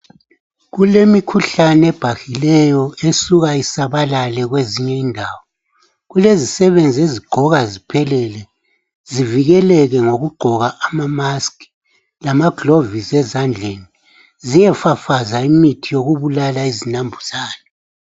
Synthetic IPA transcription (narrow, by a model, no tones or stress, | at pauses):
ɣulemikʰuɬanɛb̥ʱaxilɛjɔesuɣaisaβalalɛɣweziɲɛindʱaːwɔ | ɣulezisɛβend͡zʱieziɡ͡ǃʱɔɣazipʰɛlɛlɛ | ziviɣɛlɛɣɛŋoɣuɡ͡ǃʱɔɣaʔamamaski̥ | lamaɡlovizɛzand͡ɮʱeni | zijɛfafazaimitʰijoɣuβulalaizinambʱuz̥aːna